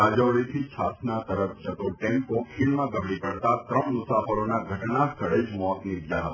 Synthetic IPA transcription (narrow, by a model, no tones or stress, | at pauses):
ad͡ʒəɭit̪ʰit͡ʃʰasnat̪əɾəfd͡ʒʱət̪oʈɛ̃mpokʰilmãɡəbɽipəɽt̪at̪ɾəɳ̃mʊsafəɾonaɡʱəʈnast̪ʰəɭed͡ʒmɔt̪nid̪jaɦət̪ḁ